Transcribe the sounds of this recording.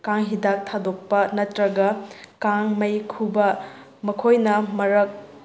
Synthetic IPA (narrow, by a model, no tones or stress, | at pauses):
kaŋɦidak̚tʰadok̚pɐnɐtɾɐɡɐkaŋmɐjkʰubɐ | mɐkʰojnɐmɐɾɐk̚